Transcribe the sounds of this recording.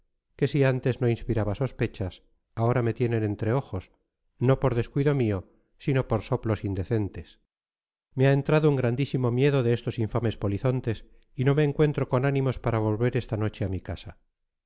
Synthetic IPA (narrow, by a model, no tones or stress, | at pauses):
ke̞siant̪e̞zno̞inspiɾaβaso̞spe̞t͡ʃas | ao̞ɾame̞t̪je̞nene̞nt̪ɾe̞o̞xo̞s | no̞po̞ɾðe̞skwiðo̞mio̞ | sino̞po̞ɾso̞plo̞sind̪e̞θe̞nt̪e̞s | meae̞nt̪ɾaðouŋɡɾand̪isimo̞mje̞ðo̞ðe̞est̪o̞siɱfame̞spo̞liθo̞nt̪e̞s | ino̞meːŋkwe̞nt̪ɾo̞ko̞nanĩmo̞spaɾaβ̞o̞lβe̞ɾe̞st̪ano̞t͡ʃe̞amikasa